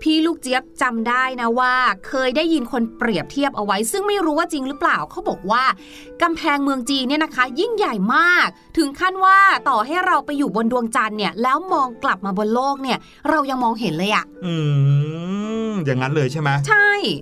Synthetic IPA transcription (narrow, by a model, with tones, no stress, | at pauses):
pʰiː˥˩luː˥˩k̚t͡ɕi˦˥əp̚t͡ɕa˧mdaː˥˩jna˦˥waː˥˩kʰɤː˧jdaː˥˩jːi˧nkʰo˧npɾi˨˩əp̚t̪ʰi˥˩əp̚ʔa˧wa˦˥jsɯ˥˩ŋma˥˩jɾuː˦˥waː˥˩t͡ɕi˧ŋɾɯ˦˥plaː˨˩wkʰa˦˥wbɔː˨˩k̚waː˥˩ | ka˧mpʰɛː˧ŋmɯ˧əŋt͡ɕiː˧ni˥˩ɐna˦˥kʰa˦˥ji˥˩ŋja˨˩jmaː˥˩k̚t̪ʰɯ˨˩˦ŋkʰa˥˩nwaː˥˩t̪ɔː˨˩ɦa˥˩jɾa˧wpa˧jːuː˨˩bo˧ndu˧əŋt͡ɕa˧nːi˥˩ɐlɛː˦˥wmɔː˧ŋkla˨˩p̚maː˧bo˧nloː˥˩k̚ni˥˩ɐ | ɾa˧wja˧ŋmɔː˧ŋɦe˩˦nlɤː˧jʔa˨˩ʔʔɯː˧ | jaː˨˩ŋːa˦nlɤː˧jt͡ɕʰa˥˩mɛ˦˥t͡ɕʰa˥˩j